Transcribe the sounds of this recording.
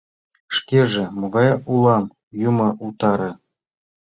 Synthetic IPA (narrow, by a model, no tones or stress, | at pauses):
ʂkʲeʐĕmoɣɑjulˠɑm | jumɤ̆ʔut̪ɑɾɤ̆